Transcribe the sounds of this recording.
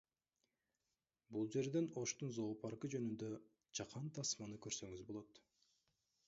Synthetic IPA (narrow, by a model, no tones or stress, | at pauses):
bulˠd͡ʒe̞ɾd̪e̞no̞ʃt̪unzo̞ːpʰɑɾʁɯd͡ʒø̞nynd̪ø | t͡ʃɑqɑnt̪ʰɑsmɑnɯkø̞ɾsø̞ŋyzbo̞lˠo̞t̪